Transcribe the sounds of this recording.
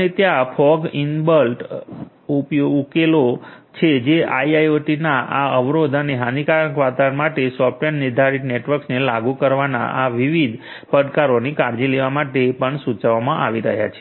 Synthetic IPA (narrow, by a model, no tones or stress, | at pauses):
əet̪japʰɔɡinbəlʈ | upoukelo | t͡ʃʰed͡ʒeʔa̰iajoʈinaʔaəʋɾod̪əneɦãnikaɾəkʋat̪aənmaʈesɔp̚ʰʈenniɾd̪ʱaɾiʈneʈʋəɾksnelaɡukəɾʋana̰ʔaʋiʋid̪ʱ | pəɽkaɾonikaɾd͡ʒileʋamaʈepəɳsut͡ʃʋamãʔa̰ʋiɾəɦja̰t͡ʃʰe̥